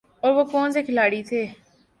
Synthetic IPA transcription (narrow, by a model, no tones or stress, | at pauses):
oːɾʋoːkoːnzeːkʰɪlaːɽiːt̪ʰeː